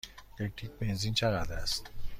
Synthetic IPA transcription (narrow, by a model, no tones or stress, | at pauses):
kek̚ʈʰik̚benzint͡ʃʰeɣad̪ɾæst̪